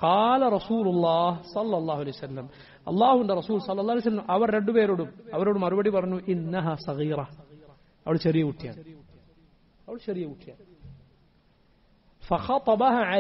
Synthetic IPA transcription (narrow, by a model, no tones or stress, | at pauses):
qɑːlɐɾˤɐsuːlulːɑːhsɐlːɐlˤːɑːɦuɐlejsɐlːɐm | ɐ̰lːɑːhuuɳɖɐɾɐsuːlsɐlːɐlˠˤːhlejsɐlːɐmʔɐʋɐɾɾe̞ɳɖupeːɾoːɽumɐʋɐɾoːɽumɐɾubɐɽipɐrɐɲːuʔɪnːɐɦaːsɐɣiːɾɐ | ɐʋɐɭʃɐɾijɐuʈːija̰ːɳ | ɐʋɐɽʃɐɾijɐuʈːijaːɳ | fɐxɑt̪ˤɑbɐɦaːʕa